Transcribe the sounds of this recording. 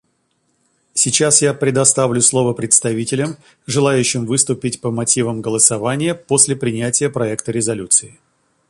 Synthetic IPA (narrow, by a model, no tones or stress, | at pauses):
sʲɪt͡ɕasjapɾʲɪd̪ɐst̪avlʲʊslˠo̞vəpɾʲɪt̪st̪ɐvʲitʲɪlʲəm | ʐɨlˠajʉɕːɪmvɨst̪ʊpʲɪtʲpəmɐtʲivəmɡəlˠəsɐvanʲɪjəpo̞sʲlʲɪpɾʲɪnʲætʲɪjəpɾɐɛkt̪əɾʲɪzɐlʲut̪sɨɪ